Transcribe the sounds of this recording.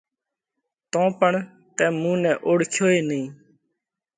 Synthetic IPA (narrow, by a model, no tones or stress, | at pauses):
t̪õːpəɳ | t̪ɛ̃ːmũːnɛ̃ːʔoːɽkʰjoːeːnĩː